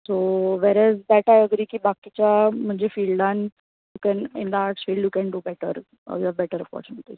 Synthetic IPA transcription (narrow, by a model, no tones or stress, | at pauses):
soʋɛɾɛzd̪ɛʈajəɡɾiːkiːbakit͡ɕjam̤əɳd͡ʑefiːlɖãn | jukɛ̃nḭ̃nd̪aaʈsfiːlɖjukɛ̃ɳɖubɛʈə̰ɾ̰ | jiɛʋbɛʈəɾəfɔ̰ɾt͡ɕuneʈli